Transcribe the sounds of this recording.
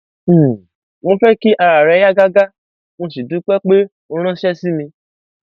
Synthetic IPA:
mõ˧fɛ˦ki˦ʔa˧ɾa˨ɾɛ˨˧˦ja˦ɡa˦ɡa˦ | mõ˧si˨dũ˨˦k͡pɛ˦k͡pe˦ | o˧˦ɾ̃ã˦ʃɛ˦si˦mĩ˧

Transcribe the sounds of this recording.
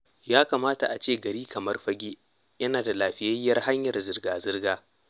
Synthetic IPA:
jaː˦kaː˨maː˦ta˨ʔa˨t͡ʃeː˦˨ɡɐ˨ɾiː˦kʰɐ˨mɐ˦rɸɐ˦ɡʲeː˦ | jɐ˦naː˨da˨laː˨ɸɪ˦˨jɐ˦jːɐ˦rha˦ɲjɐ˨rzɪ˨rɡaː˨zɪ˦rɡaː˦

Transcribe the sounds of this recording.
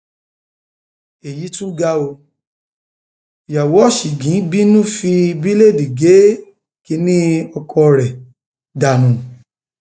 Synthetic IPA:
e˨ji˨˦tũ˦ɡa˦o˧˨ | ja˨wɔ˨˦ʃi˨ɡĩ˨˦bi˦nũ˦˨fi˧bi˦le˦˨di˨ɡe˨˦ | ki˧˦nĩ˦ɔ˧kʰɔ˧ɾɛ˨ | da˧˨nũ˨˦

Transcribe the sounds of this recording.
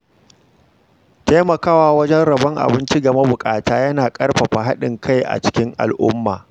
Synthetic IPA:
ta˦jmɐ˨kaː˦waː˨wɐ˦d͡ʒɛ˦nɽɐ˨bɐ˦ŋʔa̰˨bɪ˦nt͡ʃi˦ɡɐ˨ma˦bʊ˨kʼaː˨taː˦jɐ˦naː˨kʼɐ˦rɸɐ˨ɸa˨ɦa˦ɗɪ̰˨ŋkʰa˦jʔa̰˨t͡ʃɪ̥˦kʲɪ˦ŋʔa̰˨lʔʊ̰˦mːa̰ː˨

